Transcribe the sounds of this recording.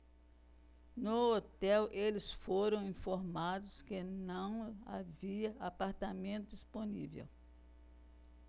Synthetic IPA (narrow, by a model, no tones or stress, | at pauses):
nʊot̪ɛwʔelɪsfoɾɐ̃w̃ĩfoɾmad̪ʊskenɐ̃w̃a̰viɐapaɾt̪amẽnt̪ʊd̪isponḭvḛw